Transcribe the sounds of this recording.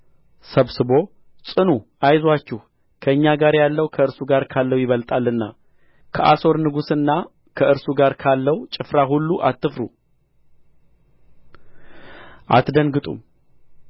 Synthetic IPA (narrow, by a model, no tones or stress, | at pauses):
səβsɨβo̞ | t͡sʼɨnu | ajzwat͡ʃːɪh | kʰəɨɲːaɡaɾjalːəwkʰəɨɾsuɡaɾkʰalːəwjɪβəlt̪ʼalːɨnːa̰ | kʰəʔaso̞ɾnɨɡusɨnːa | kʰəɨɾsuɡaɾkʰalːəwt͡ʃʼɪfɾaɦulːuʔat̪ʰʼːɨfɾu | ʔa̰t̪d̪ənɡɨt̪ʼṵm